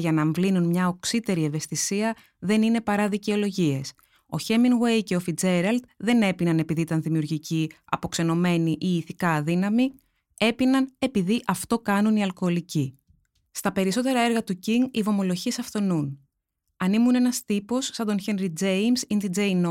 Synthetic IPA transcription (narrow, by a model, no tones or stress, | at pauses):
ʝɐnɐːɱvlinunmɲɐo̞ksit̪e̞ɾie̞ve̞st̪isiɐ | ðe̞nine̞pɐɾɐðice̞o̞lo̞ʝie̞s | o̞̰çe̞minwe̞jce̞o̞fid͡ze̞ɾɐld̪ðe̞ne̞pinɐne̞piðiit̪ɐnðimiuɾʝiciɐ̰po̞kse̞no̞me̞niʔiːθikɐːðinɐmi | e̞pinɐne̞piðiʔɐft̪o̞kɐnuniɐlko̞ːlici | st̪ɐpe̞ɾiso̞t̪e̞ɾɐeɾɣɐt̪uciŋɡivo̞mo̞lo̞ʝie̞sɐft̪o̞nun | ɐnimune̞nɐst̪ipo̞sːɐnd̪o̞nçenɾid͡ze̞jmsind̪id͡ze̞jno